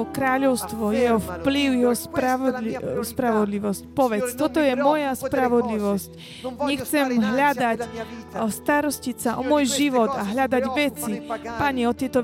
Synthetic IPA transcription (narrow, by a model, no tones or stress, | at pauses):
ɔkɾaːʎɔʊst̪ʋɔjɛɦɔfpliʊjɛɦɔspɾaispɾaʋɔd̪liʋɔscpɔʋɛt͡st̪ɔt̪ɔjɛmɔjaspɾaʋɔd̪liʋɔsc | ɲɛxt͡sɛmɦʎad̪ac | st̪aɾɔscicsaʔɔmʊɔjʒiʋɔd̪aɦʎad̪aɟʋɛt͡sipaɲɛɔt̪ɪɛt̪ɔ